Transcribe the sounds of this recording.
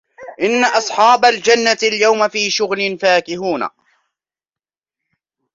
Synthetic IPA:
ʔɪnːaʔɑsˤħɑːbald͡ʒanːaljawmafiːʃʊɣnɪnfaːkɪɦuːna̰

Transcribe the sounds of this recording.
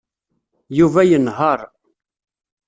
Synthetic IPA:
juvæjənɦəɾˤ

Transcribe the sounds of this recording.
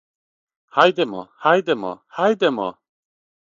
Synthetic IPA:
hajd̪emo̰hajd̪emo̰hajd̪emo̰

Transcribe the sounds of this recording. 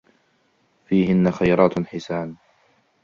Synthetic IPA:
fiːhɪnːaxajɾˤɑːt̪ħɪsaːn

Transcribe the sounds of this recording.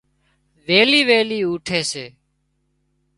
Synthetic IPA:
ʋeːliːʋeːliːuːʈʰeːseː

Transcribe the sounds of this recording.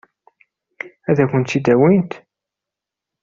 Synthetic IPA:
æðækʷʊnt̪ːid̪æwint̪

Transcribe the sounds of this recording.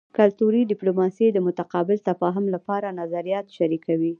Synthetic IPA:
kalt̪uɾiɖɪplomɑsed̪əmʊt̪aqɑbɪlt̪afɑɦɪmlapɑɾanazaɾijɑt̪ʃaɾikawi

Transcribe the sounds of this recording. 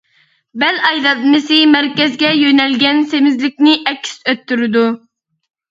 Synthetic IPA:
bælɑjlɑd̪mɨsɨmæɾkʲɛzɡʲɛjønɛlɡʲɛnsemɪzlɪkʲnɪʔɛkʲʰːɪ̥søt̪ːyɾɪd̪u

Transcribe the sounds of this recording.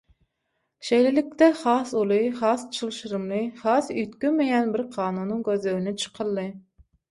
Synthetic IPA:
ʃejlɪlɪk̚ʲt̪ɛχɑːsulˠɨχɑːst͡ʃʰɨlˠʃɨɾɨmlˠɨχɑːsyjt̪kʲymejɛnbɪɾqʰɑːnunːɨŋɡʲøzløwinɪt͡ʃʰə̥qʰəlˠːɨ

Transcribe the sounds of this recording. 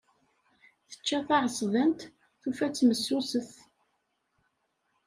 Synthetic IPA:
θə̥t͡ʃːæθɑʕəsˤðænt̪ | θufæt͡sːməsːusəθ

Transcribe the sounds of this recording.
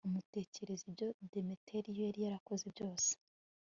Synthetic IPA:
umute̞ːce̞ɾe̞zibjo̞demitʰeɾijoaɾijaɾako̞zebɟo̞ːse̥

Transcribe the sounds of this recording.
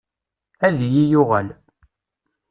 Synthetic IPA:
æðijijʊʁæl

